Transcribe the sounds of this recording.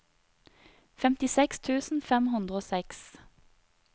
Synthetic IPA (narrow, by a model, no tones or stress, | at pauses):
fɛmt̪ɪsɛkst̪ʰʉːsn̩fɛmhʉnd̪ʁəoːsɛks